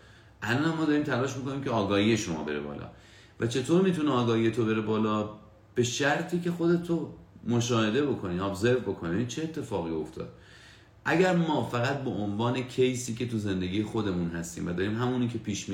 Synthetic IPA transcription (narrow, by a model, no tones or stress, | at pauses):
ʔælɒːnæmːɒːd̪ɒːɾiːmt̪ʰælɒːʃmiko̞niːmcʰe̞ɒːɡɒːhiːje̞ʃomɒ̰ːbe̞ɾḛbɒ̰ːlʔɒ̰ | væt͡ʃʰe̞t̪ʰoːɾmiːt̪uneɒːɡɒːhiːje̞t̪ʰobe̞ɾe̞bɒːlɒː | b̥e̞ʃæɾt̪ʰiːce̞xo̞d̪e̞t̪ʰomoʃɒːhe̞d̪e̞bo̞kʰo̞niːɒbze̞ɾvbo̞kʰo̞niiiːt͡ʃʰe̞ːt̪ʰːe̞fɒːɣio̞ft̪ʰɒ̰ːd̪̥ | ʔæɟæɾmɒːfæɣæt̪̚beʔonvɒːne̞cʰe̞jsiːkʲe̞t̪uze̞nd̪e̞ɡʲiːje̞xod̪e̞munɦæst̪ḭmvæd̪ɒːɾiːmɦæmuniːcʰe̞piːʃmi